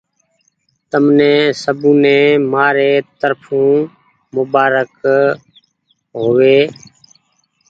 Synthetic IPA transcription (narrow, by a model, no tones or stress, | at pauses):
t̪əmnɛ̃ːsəbũːnẽːmaːɾeːt̪əɾpʰũː | mʊbaːɾək | ɦoːʋeː